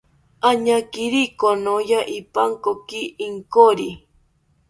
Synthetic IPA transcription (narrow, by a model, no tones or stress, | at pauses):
aɲakiɾikonojaʔipaŋkokiʔːŋkoɾi